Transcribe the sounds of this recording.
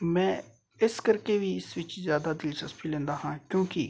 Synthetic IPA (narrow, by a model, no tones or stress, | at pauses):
mɛ̃ː | ɪskəɾkeːʋiːɪsʋɪt͡ʃzjaːd̪aːd̪ɪlʃəspʰiːlɛ̃ːnd̪aːɦãːkjõːkɪ